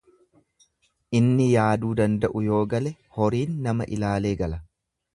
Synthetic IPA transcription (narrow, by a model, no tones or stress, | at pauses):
ʔɪnːɪjaːd̪uːd̪ɐnd̪ɐʔʊjo̞ːɡɐlɛ | hɔɾiːnːɐmɐʔɪ̰laːle̞ːɡɐlɐ